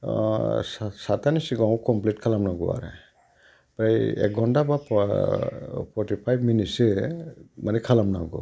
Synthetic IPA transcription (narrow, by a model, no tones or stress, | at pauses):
ssatanisiɡãwkɔmpletkʰalamnaɡɔ̰a̰ɾḛ | b̥ɾajḛkɡɔndabap | pʰɔɾtipʰajbminitse | manɛkʰalamna̰ɡɔ̰